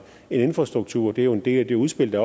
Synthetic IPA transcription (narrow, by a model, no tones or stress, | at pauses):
e̝ne̝nfʁɑ̈sd̥ʁuɡ̥̚t͡sʰṵɐ̰ɒd̥eæjoe̝nd̥e̝̰ːld̥euð̞ˠsb̥e̝l̰d̥æɒ